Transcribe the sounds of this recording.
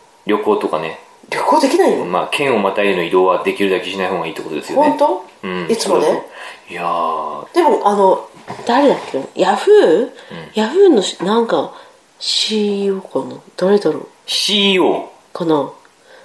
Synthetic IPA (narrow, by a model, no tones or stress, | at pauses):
ɾʲo̞ko̞ːt̪o̞kane | ɾʲjo̞ko̞ːd̪e̞kʲinaioma̰ːkʰẽ̞ɰ̃o̞mat̪aiɾɯno̞id̪o̞ːβad̪e̞kʲiɾɯ̟d̪akʲiɕinaihoːɡaiːt̪ːekot̪od̪e̞sɨjooẽnt̪o̞ɯ̟̃ɴist͡sɨmonejad̪̥e̞mo̞ʔano̞ | d̪̥aɾe̞d̪akːeojaɸɯ̟ɯ̃jaɸɯ̟noɕnãŋka | ɕiːoːkanad̪̥aɾe̞d̪aɾo̰ː | ɕioː | kana